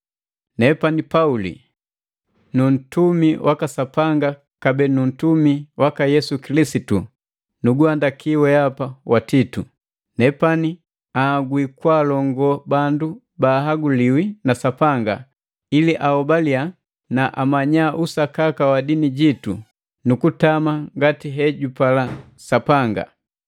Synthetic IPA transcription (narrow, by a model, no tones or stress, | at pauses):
nɛpanipaulḭ | nun̩tumiwʔakasapaŋɡa | kabɛnun̩tumiwakajɛsukilisitu | nuɡuandakiwɛapawatitu | nɛpani | aɡwikwaːlɔŋɡɔbandu | baːɦaɡuliwinasapaŋɡa̰ | iliʔaɔbalia | naʔamaɲaʔusakakawadiniɟitṵ | nukutamaŋɡatiɦɛɟupala | sapaŋɡa̰